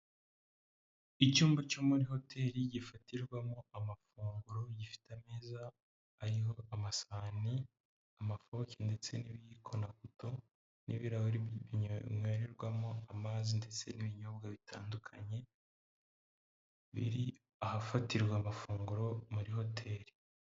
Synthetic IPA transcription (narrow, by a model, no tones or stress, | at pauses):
icuːmbacomuɾiho̞tʰe̞ːɾiɟifatʰiɾɡwamoamafuːŋɡuɾo̞ɟifi̥tameːzaː | ɾiɦo̞amasaːni | amafo̞cʰende̞t͡se̞niβjikʰo̞nakuto | nḭβiɾahoɾiiɲoweɾeɾɡwamoamazinde̞t͡se̞niβiɲo̞bɡaβitʰaːndukʰa̰ɲe̞ | βḭɾi | ahafatiɾɡwamafuːŋɡuɾo̞muɾiho̞tʰe̞ːɾi̥